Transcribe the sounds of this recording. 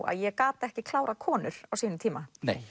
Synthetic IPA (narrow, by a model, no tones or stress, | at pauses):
a̰ðjɛkaːt̪ɛhcɪkʰlaːwɾakʰɔːnʏɾ̥awsiːnʏmt̪ʰiːmanḛːj